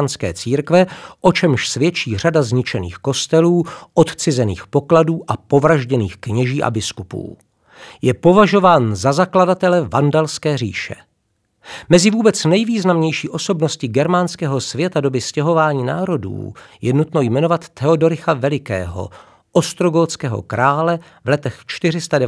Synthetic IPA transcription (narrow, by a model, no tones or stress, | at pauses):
nskɛ̰ːt͡siːɾkvɛʔo̞t͡ʃɛmʃsvjɛt͡ʃiːr̝adazɲɪt͡ʃɛnḭːxko̞st̪ɛluːʔo̞t̪t͡sɪzɛniːxpo̞kladuːʔapo̞vɾaʒɟɛniːxkɲɛʒiːʔa̰bɪskupṵː | jɛpo̞vaʒo̞vaːnzazakladat̪ɛlɛvandalskɛːrḭːʃɛ̰ | mɛzɪvuːbɛt͡snɛjviːznamɲɛjʃiːʔo̞so̞bno̞scɪɡɛɾmanskɛːɦo̞svjɛt̪ado̞bɪscɛɦo̞vaːɲiːnaːɾo̞dṵːjɛnut̪no̞jmɛnovat̪ːɛodo̞ɾɪxavɛlɪkɛ̰ːɦo̞̰ | ʔo̞st̪ɾo̞ɡot͡skɛːɦo̞̰kɾaːlɛ | vlɛt̪ɛxt͡ʃt̪ɪr̝ɪst̪adɛ